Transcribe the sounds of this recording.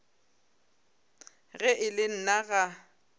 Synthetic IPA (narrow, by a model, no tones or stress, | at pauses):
ɣɛʔɪlɪn̩naɣa